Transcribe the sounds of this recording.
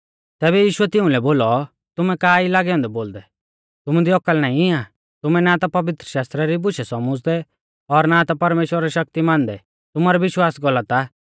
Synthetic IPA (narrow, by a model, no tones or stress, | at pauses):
t̪ɛːbɛjiːʃʊɛt̪ɪʊ̃lɛboːlɔ | t̪ʊmɛkaːilaːɡɛɔ̃ːnd̪ɛboːld̪ɛ | t̪ʊmud̪iɔkːəlnaːĩɪã | t̪ʊmɛnat̪apɐʋɪt̪ɾəʃaːst̪ɾaɾibʊʃɛsɔmʊ̃d͡zd̪ɛ | ɔɾnat̪apɐɾmeːʃwəɾaɾɛʃɐk̚t̪imãːnd̪ɛ | t̪ʊmaɾɛʋɪʃwaːsɡɔlːat̪a